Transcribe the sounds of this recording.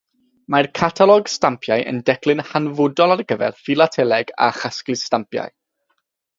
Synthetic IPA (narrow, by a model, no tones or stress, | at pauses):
markʰatʰalˠɔɡstampʰjajʔə̰ndɛkʰlˠɨnhanvʊdɔlˠaɾəɡəvɛ̰rfilˠatʰɛlˠɛɡa̰χasklɨstampja̰j